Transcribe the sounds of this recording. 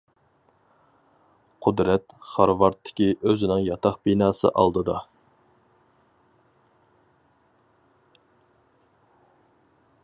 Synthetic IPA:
qʰʊd̪ɾɛt̪χɑɾvɑɾt̪ʰːɪ̥kʲiʔøzɪnɪŋjɑt̪ʰɑχbinɑːsɨ̰ʔɑ̰lˠd̪ɨd̪ɑ

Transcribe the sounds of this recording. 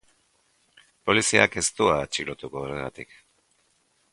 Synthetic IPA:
po̞lisiake̞st̪uat͡ʃiɣlot̪ukoːɾe̞ɣat̪ik

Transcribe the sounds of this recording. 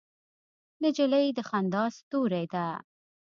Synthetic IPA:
nɪd͡ʒɪləjd̪əxand̪ɑst̪uɾajd̪a

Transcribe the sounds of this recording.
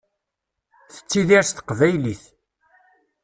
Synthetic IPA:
θə̥t͡sːiðiɾsθə̥qvæjliθ

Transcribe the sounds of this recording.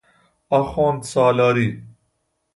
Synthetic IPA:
ɐxoːnt̪saːlaːɾi

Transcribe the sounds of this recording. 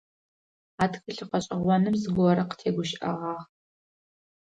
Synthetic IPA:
aːtxɨɬɨqɐɕʼɪʁʷɔnɨmzɨɡʷɔɾɐqə̥tʰeːɡʷʊʃʔɐ̰ʁɑːʁ

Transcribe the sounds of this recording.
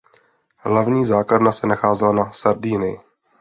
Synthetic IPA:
ɦlavɲiːzaːkladnasɛnaxaːzɛlanasaɾdiːnɪ

